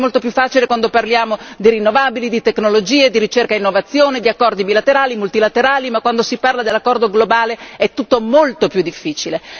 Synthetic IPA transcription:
molt̪opjufːaːt͡ʃilekwand̪oparljaːmod̪iɾinːovaːbilid̪it̪ekːnolod͡ʒiːed̪iɾit͡ʃerkainːovat̪sːjoːned̪iakːɔrd̪ibilat̪eɾaːlimult̪ilat̪eɾaːlimakːwand̪osiparlad̪elːakːɔrd̪oɡlobaːleɛt̪ːut̪ːomolt̪opjud̪ːifːiːt͡ʃile

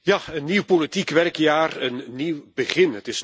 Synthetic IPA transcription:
jaənːiwpolitikʋɛrkjaːrənːiwb̥əχɪnətɪs

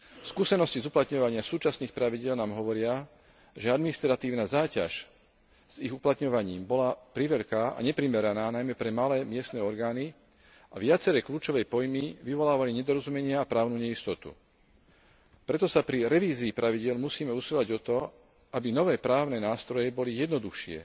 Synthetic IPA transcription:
fskusɛnɔscizuplat̪ɲɔʋaɲɪasuːt͡ʃasniːxpɾaʋiɟɪɛlnaːmɦɔʋɔɾɪa | ʒɛad̪minist̪ɾat̪iːʊnaːzaːca̰ʃ | z̥iɣuplat̪ɲɔʋaɲiːmbɔlapɾiʋɛʎkaːʔa̰ɲɛpɾimɛɾanaːnajmɛpɾɛmalɛːmɪɛst̪nɛːɔɾɡaːni | ʔaʋɪat͡sɛɾɛːkʎuːt͡ʃɔʋɛjpɔjmiʋiʋɔlaːʋaliɲɛd̪ɔɾɔzumɛɲɪaapɾaːʊnuːɲɛist̪ɔt̪ṵ | pɾɛt̪ɔsapɾiɾɛʋiːziːpɾaʋiɟɪɛlmusiːmɛusilaɟɔt̪ɔ | ʔabinɔʋɛːpɾaːʊnɛnaːst̪ɾɔjɛbɔlijɛd̪nɔd̪uxʃɪɛ̰

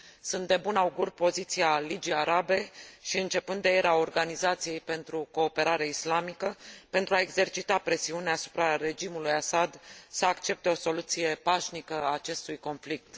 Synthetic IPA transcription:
sunt̪̚d̪e̞bunauɡurʲpo̞zit̪sialid͡ʒiaɾabe̞ʃiɨnt͡ʃe̞pɨnd̪ejeɾao̞rɡanizat̪sije̞jpe̞nt̪ɾuko̞ːpe̞ɾaɾeaislamikəpe̞nt̪ɾuaeɡze̞rt͡ʃit̪apɾe̞siuneasu̥pɾaɾe̞d͡ʒimulujasad̪səakt͡ʃe̞p̚t̪e̞o̞so̞lut̪sije̞paʃnikəaːt͡ʃe̞st̪ujko̞nflik̚t̪

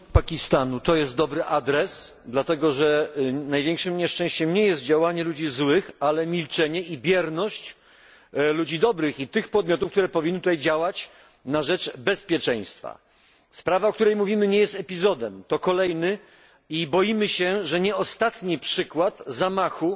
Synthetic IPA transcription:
pakʲist̪anut̪ɔjɛst̪̚d̪ɔbɾɘʔad̪ɾɛs | d̪lat̪ɛɡɔʐɛnajvʲjɛŋkʂɘmɲɛʂt͡ʂɛ̃ɕt͡ɕɛmɲɛjɛst̪̚d͡ʑawaɲɛlud͡ʑizwɘxalɛmʲilt͡ʂɛɲɛʔibʲjɛɾnɔɕt͡ɕ | lud͡ʑid̪ɔbɾɘxit̪ɘxpɔd̪̚mʲjɔt̪̬ufkt̪uɾɛpɔvʲinːɘt̪ut̪ajd͡ʑawat͡ɕ | naʐɛt͡ʂbɛspʲjɛt͡ʂɛ̃j̃st̪fa̰ | spɾavaɔk̚t̪uɾɛjmuvʲimɘɲɛjɛst̪ɛpʲizɔd̪ɛmt̪ɔkɔlɛjnɘ | ibɔjimɘɕɛʐɛɲɛɔst̪at̪ɲipʂɘkwat̪zamaxu

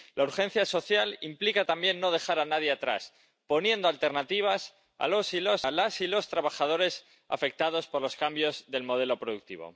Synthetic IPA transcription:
lauɾxẽ̞n̟θjaso̞θjalimplikat̪ambje̞nːo̞ð̞e̞xaɾanaðje̞at̪ɾa̰s | po̞njẽ̞nd̪oalt̪e̞ɾnat̪iβ̞as | a̰lo̞silo̞salasilo̞st̪ɾaβaxað̞o̞ɾe̞s | a̰fe̞k̚t̪að̞o̞spo̞ɾlo̞skambjo̞zðe̞lmo̞ð̞e̞lo̞pɾoðuk̚t̪iβ̞o̰

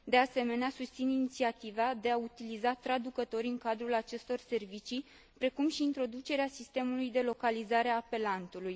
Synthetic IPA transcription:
d̪e̞ase̞me̞neasust̪sininit̪siat̪ivad̪e̞aut̪ilizat̪ɾad̪ukət̪o̞ɾʲɨŋkad̪ɾulat͡ʃe̞st̪o̞rse̞rvit͡ʃi | pɾe̞kumʃiːnt̪ɾo̞d̪ut͡ʃe̞ɾeasist̪e̞mulujd̪e̞lo̞kalizaɾeaːpe̞lant̪uluj

